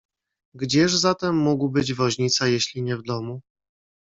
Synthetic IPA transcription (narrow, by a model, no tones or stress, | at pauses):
ɡd͡ʑɛʐzat̪ɛmːuɡwbɘd͡ʑvɔʑɲit̪sajeɕlʲiɲɛvd̪ɔmu